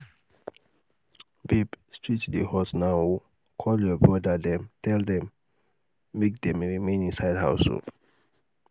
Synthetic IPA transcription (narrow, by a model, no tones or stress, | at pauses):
bibstɹit͡ʃdihɔsnaw | kʰɔljɔbɹɔdad̪ɛ̃mtʰɛld̪ɛ̃mː | ek̚d̪ɛ̃mɹimẽnĩsajdha̰wso̰